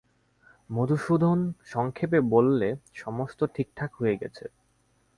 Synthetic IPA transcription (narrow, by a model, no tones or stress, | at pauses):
mod̪ʱuʃud̪ʱonʃɔŋkʰepebolːeʃɔmost̪oʈʰik̚ʈʰakɦoeɡɛ̰t͡ɕʰe